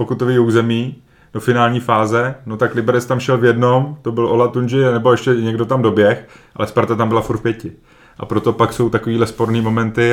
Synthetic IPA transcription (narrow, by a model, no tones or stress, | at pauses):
pokut̪oviuːzɛmiː | d̥o̞fɪnaːlɲiːfaːzɛno̞t̪aklɪbɛɾɛt͡st̪amʃɛlvjɛdno̞mt̪o̞bɪlʔolat̪und͡ʒɪanɛbo̞ɛʃcɛɲɛɡdo̞t̪amdo̞bjɛxʔa̰lɛspaɾt̪at̪ambɪlafuɾt̪pjɛcɪ | ʔa̰pɾo̞t̪o̞pakso̞wt̪ako̞viːdlɛspo̞ɾniːmo̞mɛnt̪ɪ